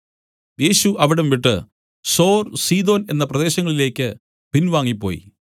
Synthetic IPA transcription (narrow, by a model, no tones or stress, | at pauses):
je̞ːɕuʔɐʋiɽɐmʋiʈːɨ̰ | so̞ːrsiːd̪o̞ːne̞nːɐprɐðe̞ːɕɐŋːɐɭile̞ːkʲːɨ | b̥inʋaːŋːipːo̞̰ːjḭ